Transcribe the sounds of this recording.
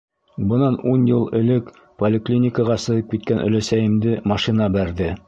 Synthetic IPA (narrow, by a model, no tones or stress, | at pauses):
bɤ̆nɑnunjɤlˠɘ̆lɘk | polʲɪklʲinʲɪkəʁɑsɤ̆jɤp̚kit̪̚kænʔɵ̰̆læsæjɘ̆md̪ɘmɑʃinɑbæɾðɘ